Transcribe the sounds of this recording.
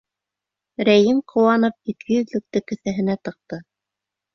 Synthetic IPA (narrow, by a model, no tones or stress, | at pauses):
ɾæjɘmqʰŏwɑnɤp̚it̪̚kʰɘjɵ̆ðlɘ̆k̚t̪ɘkɵ̆θæɦɘ̆næt̪ɤ̆q̚t̪ɤ